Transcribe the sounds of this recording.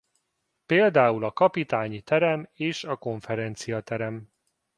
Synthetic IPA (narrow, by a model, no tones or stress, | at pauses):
peːld̪aːulɒkɒpit̪aːɲit̪ɛɾɛmeːʃɒko̞ɱfɛɾɛnt̪sijɒt̪ɛɾɛm